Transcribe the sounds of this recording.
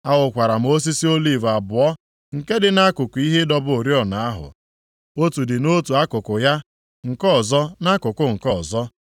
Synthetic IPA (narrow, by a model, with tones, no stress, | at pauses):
a˦wʊ˨kʷa˨ɾa˨m̩˦o˦s̬i˦si˦o˦li˦˨va˨bʊ˨ɔ˦ | ŋ̩˨ke˦dɪ˨na˦kʊ˨kʊ˨i˦ɦe˦dɔ˦bʊ˦o˨ɾjɔ˦˨na˨a˦ɦʊ̰˨ | o˦tu˨dɪ˨no˦tu˨a˦kʊ˨kʊ˨ja˦ | ŋ̩˨kɔ˦˨zɔ˦na˦kʊ˨kʊ˦ŋ̩˨kɔ˦˨zɔ˦